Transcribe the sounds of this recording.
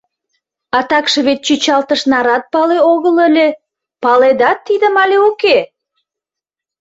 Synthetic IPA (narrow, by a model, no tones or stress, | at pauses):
ɑt̪ɑkʃɤ̆βet̪̚t͡ɕyt͡ɕɑlt̪əʃnɑɾɑt̪̚pɑleoɣələlʲe | pɑled̪ɑt̪ːid̪əmɑlʲeoke